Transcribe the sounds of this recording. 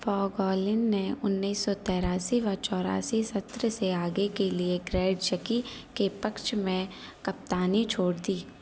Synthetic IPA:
fɔːɡɔːlɪnneʊnːiiːsːɔt̪ɛːɾaːsiʋɐɾt͡ʃɔːɾa̰ːsisɐt̪ɾseaːɡekelieɡɾeːɖt͡ʃəkikepəkʃmẽ | kɐp̚t̪aːnit͡ʃʰoːɽd̪iː

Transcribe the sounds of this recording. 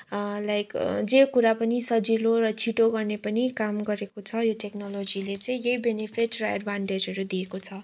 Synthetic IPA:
lajkd͡zekuɾapʌnisʌd͡ziloɾʌt͡sʰiʈoɡʌrnepʌnikamɡʌɾekot͡sʰʌjoʈeknʌlod͡zilet͡sʌ̃ĩjʌjbenepʰiʈrʌa̰ɖbʱaɳʈed͡zɦʌɾud̪iekot͡sʰʌ

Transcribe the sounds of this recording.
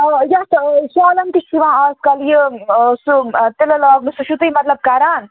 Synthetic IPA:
jɐt̪sɔːlɐnt̪iʃiʋãːaːskɐljəsut̪elɐlaːɡmisuʃut̪ɨjmɐt̪lɐb̚kaɾaːn

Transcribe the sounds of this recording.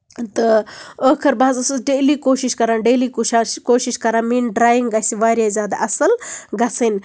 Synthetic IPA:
t̪ɨəːkʰɐɾbaːzɐsɐsɖeːliːkoːʃiʃkɐɾaːnɖeːlikoːʃiʃkɐɾãːmiːnɖɾaːjiŋɡɡɐsiʋaːɾjazʲjaːd̪a̰ʔɐsɐlɡɐsɐn

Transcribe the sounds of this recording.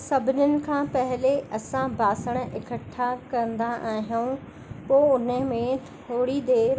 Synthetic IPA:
sɐbʱɪnʊnɪ̆kʰãːpɐɦɪleʔɐsãbʱaːsəɽ̃ə̆ʔɪkəʈʰːakɐə̃nd̪aʔaːɦijuũ | poːʊnəmẽt̪ʰ | oːɽid̪eːɾ

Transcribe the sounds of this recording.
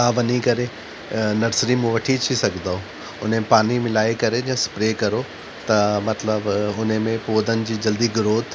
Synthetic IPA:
aːʋɐnikɐɾe | nɐɾsɾimũʋɐʈʰit͡ɕʰisɐɡʱnd̪aːo | ʊn̤mẽpaːnimɪlaːekɐɾed͡ʑɐ̃ːspɾeːkɐɾo | t̪ɐmɐt̪ləbʊnmẽpoːd̪ənɪ̆d͡ʑiːd͡ʑɐld̪iɡʊɾoːd̪

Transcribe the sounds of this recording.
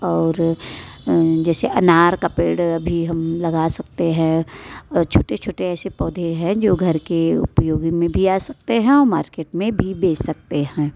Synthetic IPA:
ɔːɾ | d͡ʒɛːseʔɐnaːɾkapeːɽɐbʱiɦɐmlɐɡasɐkt̪eɦɛ̃ | t͡ʃʰoːʈet͡ʃʰoːʈeɛːsepɔːd̪ʱeɦɛ̃d͡ʒoːɡʱɐɾkeʊ̰pjoːɡimẽbʱiaːsɐk̚t̪eɦɛ̃ɔːɾma̰ːɾkeːʈmẽbʱibeːssɐk̚t̪eɦɛ̃ː

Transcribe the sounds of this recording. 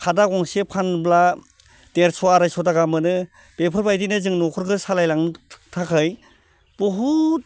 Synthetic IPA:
kʰadaɡɔŋsepʰanbla | d̥eɾsɔaɾajsɔdaɡamɯnɯ | b̥epʰɯɾbajdinɯzɯŋnɔkʰɔɾkʰɯsalajlaŋɯtʰakʰɯj | b̥ɔɦut̚

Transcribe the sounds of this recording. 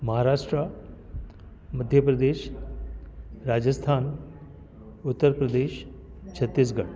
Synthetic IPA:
mɐɦaɾaːʂʈɾa | məd̪ʱjəpɾɐd̪eːʃ | ɾaːd͡ʑəst̪ʰaːn | ut̪ːəɾpɾəd̪eːʃ | t͡ɕʰɐt̪ːis̬ɡɐʈ

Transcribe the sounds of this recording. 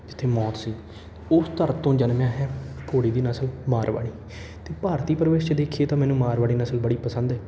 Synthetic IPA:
d͡ʒɪt̪ʰːeːmɔːt̪siː | ʊst̪əɾt̪õːd͡ʒənmãːɦɛːkoːɽiːd̪iːnəsəlmaːɾʋa̰ːɽ̃iː | t̪eːpaːɾt̪iːpəɾəʋeːst͡ʃd̪eːkʰieːt̪ãːmɛːnũːmaːɾʋaːɽ̃iːnəsəlbəɽiːpəsə̃nd̪ɛː

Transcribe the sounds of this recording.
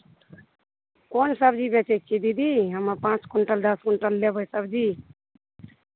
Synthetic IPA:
konsəbd͡ʒibet͡ʃek̚t͡ʃʰid̪id̪iɦəməpãːt͡ʃkuɳʈəld̪əskuɳʈəlːebəjsəbd͡ʒi

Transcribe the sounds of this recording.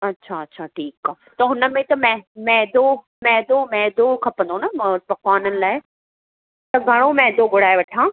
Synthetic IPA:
ɐtːɕʰaɐtːɕʰaːʈʰiːkaː | t̪ɐɦʊnə̆mẽt̪ɐmɛmɛɦd̪o | mɛɦd̪omɛɦd̪okʰɐpə̃nd̪onɐmpɐkwaːnənɪ̆laːɪ | t̪ɐɡʱɐɽ̃omɛɦd̪oɡʱʊɽ̤aːeʋɐʈʰãː

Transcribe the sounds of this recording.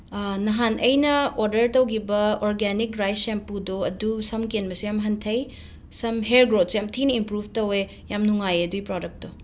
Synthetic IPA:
nɐɦanʔɐjnɐoɾdɐɾtɐwɡibɐoɾɡɛnikɾajsempudoɐdusɐmkenbɐsijamɦɐntʰɐj | sɐmɦeɾɡɾot̚sjamtʰinɐimpɾubtɐwe | jamnuŋajeɐduipɾɔdɐk̚to

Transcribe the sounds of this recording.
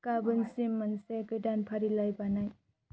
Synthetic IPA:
kabɯnsimːansekɯjdanpʰaɾilajbanaj

